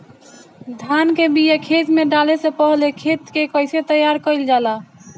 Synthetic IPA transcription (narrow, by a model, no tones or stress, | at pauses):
d̪ʱankebijekʰet͡ʃmeɖalesẽpəɦlekʰet̪kekəɪset̪əjaɾkəɪld͡ʒala